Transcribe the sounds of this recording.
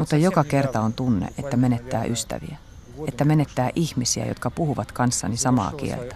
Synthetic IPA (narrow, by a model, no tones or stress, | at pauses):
mut̪ːɑjokɑke̞rt̪ɑont̪unːḛʔet̪ːæmenet̪ːæ̰ːʔyst̪æ̰ʋḭæ | et̪ːæmenet̪ːæːʔiçmisiæ̰jo̰t̪̚kɑpuhuʋɑt̪kɑnsːɑnisɑmɑ̰ːkḭḛlt̪æ̥